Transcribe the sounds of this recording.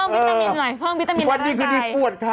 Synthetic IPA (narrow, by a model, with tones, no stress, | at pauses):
ŋ˦əː˥a˧nlɔ˨˩jpʰɤː˥˩ŋwi˦˥t̪t̪ːa˧mi˧wa˧nːiː˥˩kʰɯː˧miː˧˩pu˨˩ət̪̚t̪ʰːa˧